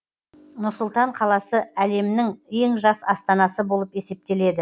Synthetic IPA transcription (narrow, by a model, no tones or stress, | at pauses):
nʊɾsʊlˠt̪ɑɴqʰɑlˠɑsəæle̞mɪnɪŋe̞ŋʒɑsɑst̪ɑnɑsəbo̞lˠəpe̞se̞p̚t̪e̞le̞d̪ɪ